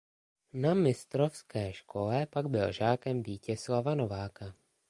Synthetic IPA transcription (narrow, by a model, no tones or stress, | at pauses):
namɪst̪ɾofskɛːʃkʰo̞lɛpaɡbɪlʒaːkɛmviːcɛslavano̞vaːka